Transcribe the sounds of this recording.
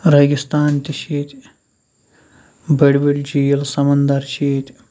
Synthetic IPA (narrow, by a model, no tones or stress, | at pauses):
ɾɐɡist̪aːnt̪iʃeːt̪ʲ | bɐɽbiɽd͡ʒijɐlsɐmɐnd̪ɐɾt͡ʃʰiːt̪ʲ